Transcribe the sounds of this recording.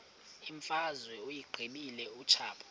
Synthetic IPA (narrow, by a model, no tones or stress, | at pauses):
iɱfazwɛujiɡ͡ǃʱiɓilɛut͡ʃʰaːɓʰḁ